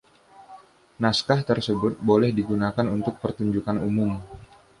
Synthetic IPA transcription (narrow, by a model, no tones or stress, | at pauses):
naskaht̪ərsəbʊt̪̚bolɛhdiɡunakanunt̪ʊk̚pərt̪uɲd͡ʒukanumʊm